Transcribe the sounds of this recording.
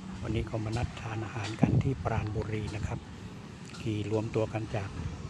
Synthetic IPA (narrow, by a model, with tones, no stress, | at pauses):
wa˧nːiː˦˥kʰa˧˩wmaː˧na˦˥t̪̚t̪ʰːaː˧nʔaː˧haː˩˦nka˧nt̪ʰiː˥˩pɾaː˧nbuː˧ɾiː˧na˦˥kʰa˦˥p̚ | kʰiː˨˩ɾu˧əmt̪u˧ɐka˧nt͡ɕaː˨˩k̚